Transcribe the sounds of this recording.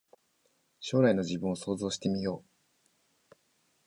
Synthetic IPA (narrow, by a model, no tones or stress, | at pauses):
ɕo̞ːɾaino̞d͡ʑibɯ̟̃ɰ̃oso̞ːzo̞ːɕi̥t̪e̞mʲijo̞ː